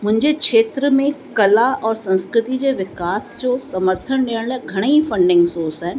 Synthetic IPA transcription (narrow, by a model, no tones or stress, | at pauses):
mʊ̃ɦɪ̃ɲd͡ʑekʃeːt̪ɾəmẽkɐlaɔːɾsɐ̃nskɾɪt̪id͡ʑeʋɪkaːsd͡ʒosɐməɾt̪ʰənɖeːəɽ̃lɛɡʱɐɽ̃efɐ̃ɳɖɪ̃ŋɡsoːsɦɛːn